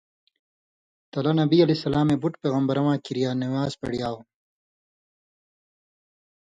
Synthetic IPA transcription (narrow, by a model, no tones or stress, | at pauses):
t̪ɐlɐnɐbiɐlesɐlaːmebuʈpeːɣɐmbɐɾɐwãːkiɾijaːnɐwjaːzpḛɽjaːw